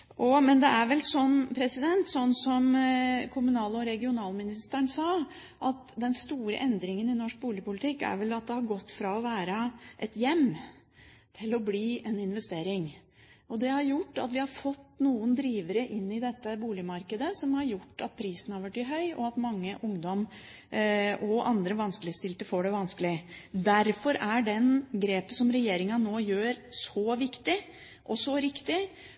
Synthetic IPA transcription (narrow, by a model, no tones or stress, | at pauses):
ʔɔmɛnd̪ɛæɾʋɛlsɔmpʰɾɛsɪd̪ɛnt̪sɔnːsɔmkʰʊmʉnɑːləɔɾɛɡɪʊnɑːlmɪnɪst̪əɳsɑː | ʔɑt̪d̪ɛnst̪uːɾə̰ʔɛnd̪ɾɪŋənɪnɔʂk̚buːlɪpʰʊlɪt̪ʰɪkːæ̰ɾʋɛlɑt̪̚d̪ɛhɑɾɡɔt̪ːfɾɑɔʋæːɾəʔɛt̪jɛmː | t̪ʰɪlɔbliːɛnɪnʋɛst̪eːɾɪŋ | ʔɔd̪ɛhɑɾjʊʈːɑ̰t̪ʋɪhɑɾfɔt̪ːnuːənd̪ɾiːʋəɾəʔɪnːɪd̪ɛt̪ːəbuːlɪmɑɾkəd̪əsɔmhɑɾjʊʈːɑt̪̚pʰɾiːsən̩ɑɾʋæʈːɪɦœʏʔɔɑt̪mɑŋːəʔʊŋd̪ɔm | ʔɔʔɑnd̪ɾəʋɑnskəlɪst̪ɪlt̪əfoːɖɛʋɑnskəlɪd̪æɾfɔɾæɖɛnɡɾeːpənsɔmɾɛjeːɾɪŋɑnoːjøːɾsɔʋɪkt̪ɪ | ʔɔsɔɾɪkt̪ɪ